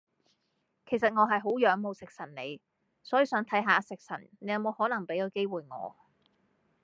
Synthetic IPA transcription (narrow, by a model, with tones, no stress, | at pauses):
kʰe˨˩js̬ɐ˨t̚ŋɔː˨˧ɦɐ˨jɦo˨˥wjœː˨˥ŋmo˨˧wsɪ˨k̚sɐ˨˩nne˨˧j | sɔː˨˥jiː˨˧sœː˨˥ŋt̪ʰɐ˨˥jɦaː˨˧sɪ˨k̚sɐ˨˩nne˨˥jɐ˨˧wmo˨˧whɔː˨˥nɐ˨˩ŋpe˨˥jɐ˨˧wke˥jwuː˨jŋɔ̰ː˨˧